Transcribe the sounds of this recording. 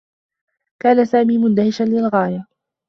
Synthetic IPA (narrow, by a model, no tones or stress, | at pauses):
kaːnasaːmiːmʊnd̪ahɪʃanlɪlɣaːja